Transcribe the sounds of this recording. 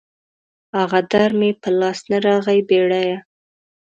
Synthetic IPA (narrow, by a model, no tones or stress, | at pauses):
aɣad̪aɾmepəlɑsnaɾɑɣajbeɽaja